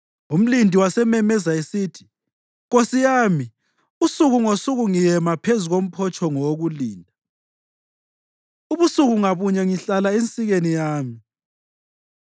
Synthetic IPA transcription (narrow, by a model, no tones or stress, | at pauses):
um̩lindʱiwasɛmɛmɛzaesitʰi̥ | ɣosijaːmi | usuɣuŋosuɣuŋijɛmapʰezuɣom̩pʰɔt͡ʃʰʼɔŋɔoɣuliːndʱa | uβusuɣuŋaβuɲɛŋiɬalaent͡sʼiɣenijaːmi